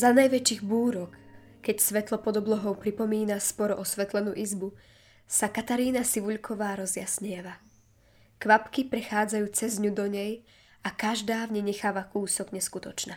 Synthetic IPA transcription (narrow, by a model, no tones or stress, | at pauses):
zanajʋɛt͡ʃiːɣbuːɾɔkː | ɛcsʋɛt̪lɔpɔd̪ɔblɔɦɔʊpɾipɔmiːnaspɔɾɔʔɔsʋɛt̪lɛnṵːʔizbu | sakat̪aɾiːnasiʋuʎkʰɔʋaːɾɔzjasɲɪɛʋa | kʋapkipɾɛxaːd͡zajuːt͡sɛzɲud̪ɔɲɛj | akaʒd̪aːʋɲɛɲɛxaːʋakuːsɔɡɲɛskut̪ɔt͡ʃnaː